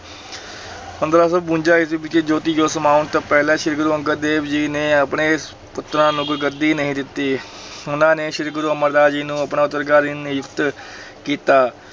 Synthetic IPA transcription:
ə̃nd̪ɾaːsəbbũːnd͡ʒaːɪsebɪt͡ʃeːd͡ʒoːt̪iːjoːsəmaːʊɳt̪oːpɛːlɛ̃ːʃɪɾɡɾuːə̃ŋɡəɾd̪eːbd͡ʒiːneːəpɳeː | pʊt̪ɾãːnũɡɾɡəɾd̪iːnəɦĩːd̪ɪt̪ːiː | ʊnãːneːʃɪɾɡɾuːəməɾd̪aːd͡ʒiːnũːəpnãːʊt̪ːəɾɡaːɾiːnjʊkt̪ | kiːt̪aː

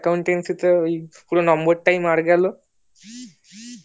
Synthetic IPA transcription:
kawɳʈensit̪ʰəipuɽə̃nɔmbəɾʈaimaɾɡalo

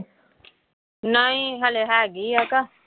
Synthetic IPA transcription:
naĩɦaleɦaːɡiaka

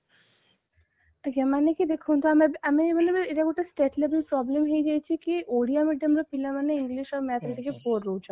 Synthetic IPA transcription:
kɛmanekid̪ekʰunt̪oamamimaneeʈaɡoʈasʈeʈlebelpɾɔblemɦejd͡ʑajt͡ɕʰikiʔoɽiamiɖamɾopilamaneiŋɡliʃɔɾmɛt̪ʰɾiʈikepoɾːot͡ɕʰa

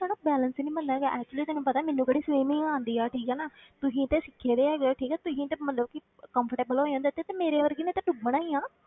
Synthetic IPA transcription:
t̪ɛːɽãbɛːlənsiːnĩːbənd̪aːɡɛʔɛːk̚t͡ʃuliːt̪ɛːnũːpət̪aːmɛ̃ːnːũkəɽiːsʋiːmɪ̃ŋãːnd̪iːaːʈʰiːkɛːnaːt̪ʊsĩːt̪eːsɪkʰːeːd̪eːɛːɡoːʈʰiːkɛt̪ʊsĩːt̪eːmət̪ləbkɪ | kəmpʰəɾʈeːbəlɦoːjãːnd̪et̪ːeːt̪eːmeːɾeːʋəɾɡiːnet̪ẽːʈʊbəɽ̃aːiːãː

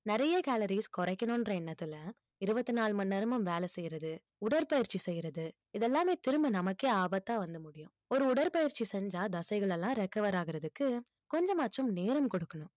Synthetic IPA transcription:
nɛɾɐjɐkaːlɐɾiskɔɾɐɪkːɐnʊ̃ndrɐɪnːɐt̪ːɪlɐ | ɪɾɯbɐt̪ːɯnaːɭmɐnːɐɾɐmɯmʋeːlɛsɛjːɪɾɐðɯ | ʊɽɐɾpɐjɪɾt͡ʃːisɛjːɪɾɐðɯ | ɪðɛlːaːmeːt̪ɪɾɯmbɐnɐmɐkːeːaːbɐt̪ːaːʋɐnd̪ɐmʊɽɪjʊ̃ | ɔɾɯʊɽɐɾpɐjɪɾt͡ʃːisɛɲd͡ʒaːd̪ɐsɐɪɣɐɭɛlːãːɾɛkːɐʋɐɾaːɣɪɾɐðɯkːɯ | kɔɲd͡ʒɐmaːʈːrɯmneːɾɐmkɔɽɯkːɐɳʊ̃

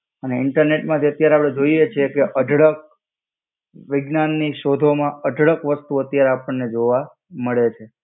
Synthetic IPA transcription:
əneɪɳʈəɾneʈmãt̪ʰiət̪jaɾeapɽed͡ʒoiet͡ʃʰekeʔəɖʱɽək̚ | ʋɪɡnanːiʃod̪ʱomãəɖʱɽəkʋəst̪uət̪jaɾeapəɳːed͡ʒoʋa | məɭet͡ʃʰe

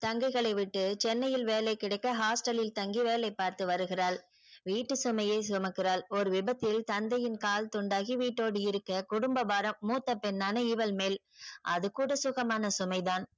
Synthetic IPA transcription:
t̪ɐŋɡɐɪɣɐɭɐɪʋɪʈːɯt͡ʃɛnːɐjɪlʋeːlɐɪkːɪɽɐɪkːɐɦaːsʈɐlɪlt̪ɐŋɡiʋeːlɐɪpːaːɾt̪ɯʋɐɾɯɣɪraːɭ | ʋiːʈːɯsʊmɐjeːsʊmɐkːɪraːlɔɾɯʋɪbɐt̪ːɪlt̪ɐnd̪ɐjɪnkaːlt̪ʊɳɖaːɣiʋiːʈːoːɽɯɪɾɯkːɐkʊɽʊmbɐʋaːɾɐmːuːt̪ːɐpːɛnːaːnɐɪʋɐlmeːl | ʔɐðɯkuːɽɐsʊɣɐmaːnɐsʊmɐɪðaːn

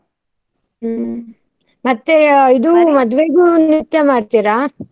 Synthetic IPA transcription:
mɐt̪ːeid̪umɔd̪ʋeːɡuːnit̪ːjemaːɖt̪iɾa

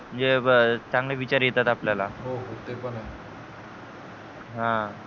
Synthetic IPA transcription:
m̤ənd͡zet͡sãŋɡleʋit͡ɕaɾjet̪at̪apljalaɦoɦot̪epəna | ɦã

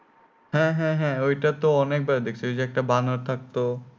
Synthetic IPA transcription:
ɦɛ̃ɦɛ̃ɦɛ̃oiʈat̪oɔneːk̚baɾd̪ekʰt͡ʃed͡ʒek̚ʈabãnoɾt̪ʰak̚t̪o

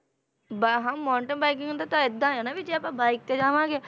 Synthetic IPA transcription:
baɦãːmɔːɳʈəbaːikɪ̃ŋd̪at̪ãːɪd̪ãːanaːʋit͡ʃeapãːbaːɪk̚t̪eːd͡ʒaːʋãːɡeː

